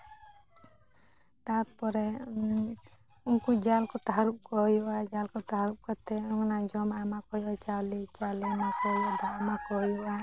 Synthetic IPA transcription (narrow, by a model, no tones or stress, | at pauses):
t̪at̪̚pɔɾɛ | unkud͡ʒalkɔt̪aɦaɾup̚kɔɦjɔad͡ʒalkɔt̪aɦaɾup̚kɔt̪ɛuŋnad͡ʒɔmamakɔjɔt͡ʃawlit͡ʃalinakɔɦjɔd̪aamakɔɦjuʔa